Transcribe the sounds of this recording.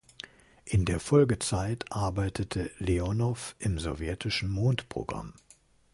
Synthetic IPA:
ʔɪndeːɐfɔlɡət͡saɪtʔaɐbaɪtʰətʰəleɔnɔfʔɪmzɔ̰vjɛtʰɪʃn̩moːntpʁ̥o̰ɡʁa̰m

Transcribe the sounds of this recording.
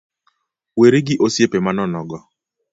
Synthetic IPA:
weɾeɡɪʔosjepemanɔnɔɡɔ

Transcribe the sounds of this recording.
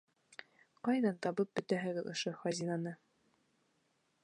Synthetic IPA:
qɑjðɑnt̪ɑβɤp̚bɵ̆t̪æɦɘ̆ɡɘðŏʃoχɑzʲinɑnɤ

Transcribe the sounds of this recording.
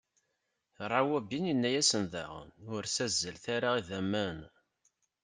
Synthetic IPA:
rˤːɑwæbininːæjæsənðæ̰ʁnʊɾsæzːəlθaɾaiðæmːæn

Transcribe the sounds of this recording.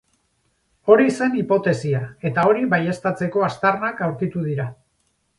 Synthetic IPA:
o̞ɾise̞nipo̞t̪e̞siae̞t̪ao̞ɾiβaje̞st̪at͡se̞ko̞ast̪arnakawɾkit̪uð̞iɾa

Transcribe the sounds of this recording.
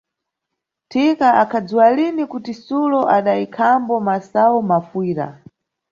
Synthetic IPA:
tʰikaʔakʰad͡zuwalinikutisulɔʔaɗaikʰambɔmasaɔmafuiːɾa̰

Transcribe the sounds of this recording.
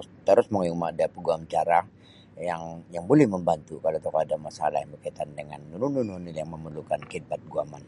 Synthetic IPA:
t̪əɾʊsməŋaumaːdapəɡuamt͡ʃaɾa | jaŋjaŋbolɛhməmbant̪ukalot̪okaadamasa̰lahjaŋbəkait̪andəŋa̰nːununununiljaŋməməlukankid̚bat̪̚ɡuaman

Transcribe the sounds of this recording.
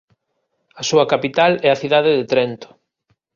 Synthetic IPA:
ɐsuɐkapit̪alɛɐθiðaðɪðet̪ɾɛnt̪ʊ̥

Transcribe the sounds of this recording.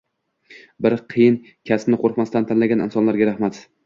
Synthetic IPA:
bɪɾqʰɨjɪn | kʲʰasnɪqʰoɾqmast̪ant̪ʰanlaɡʲanɪnsɒnlaɾɡʲaɾahmat̪

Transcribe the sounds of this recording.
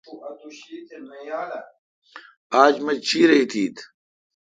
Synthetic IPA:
uʔɐt̪uɕit̪emɐjaːla | aːd͡ʑmɐd͡ʒt͡ɕʰiːɾɐit̪ʰiːt̪ʰ

